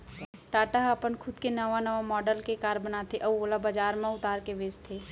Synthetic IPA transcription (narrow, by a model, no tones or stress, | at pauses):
ʈaːʈaɦaːpənkʰʊd̪kenɐʋanɐʋamɔːɖəlkekaːɾbənat̪ʰeʔɐoːlabad͡ʒaːɾmãʊt̪aːɾkeʋeːd͡ʒt̪ʰeː